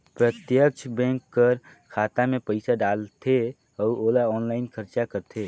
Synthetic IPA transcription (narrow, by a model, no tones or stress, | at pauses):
pɾət̪jək̚t͡ʃʰbɛ̃ːŋkːəɾ | kʰaːt̪amẽpəɪsaɖaːlt̪ʰe | ɔːɾoːlaɔːnlaːɪnkʰəɾt͡ʃakəɾt̪ʰeː